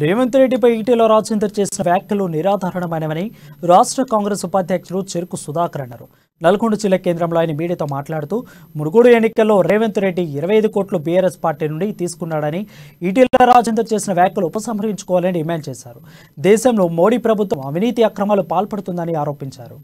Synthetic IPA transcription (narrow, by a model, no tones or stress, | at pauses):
ɾeːʋent̪uɾeɖːip̬ɐjiːʈiːloːɾaːd͡ʒɐnd̪ɾɐt͡ʃe̞ːsinɐʋjaːkʲjɐluniɾaːd̪ʱaːɾɐɳɐmɐjnɐʋɐniɾaːʂʈɾɐkaːŋɡɾesupaːd̪ʱjɐkʂɐɾut͡ʃeɾukusud̪aːkɐɾɐɳɐɾu | nɐlɐkoɳɖud͡ʒilːɐke̞ːnd̪ɾɐmloːjnimiːɽiɐt̪o̞ːmaːʈlaːɽut̪uːmunuɡoːɽuenːikɐlːo̞ːɾeːʋent̪uɾe̞ɖːiːɾɐʋɐjɐjd̪ukoːʈlubiːaːɾespaːɾʈiːnuɳɖit̪iːsu̥kunːaːɽɐniiʈiːloːɾaːd͡ʒɐnd̪ɾɐt͡ʃe̞ːsinɐʋjaːkjuluːpɐsɐmɦɐɾɦiɲt͡ʃu̥kɔːʋaːlɐniɖimaːɳɖt͡ʃɛːʃaːɾu | d̪ɛːʃɐmlo̞ːmo̞ːɽiːpɾɐbʱut̪ʋɐmɐʋʱiniːt̪iɐkɾɐmaːlupaːlpɐɽut̪und̪ɐniaːɾo̞ːpiɲt͡ʃa̰ːɾu